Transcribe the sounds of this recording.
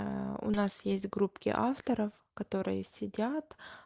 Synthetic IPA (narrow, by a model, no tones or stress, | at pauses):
ʊ̰nasjesʲtʲɡɾupkʲɪ̰ʔaft̪əɾəf | kɐt̪o̞ɾɨjəsʲɪdʲat̪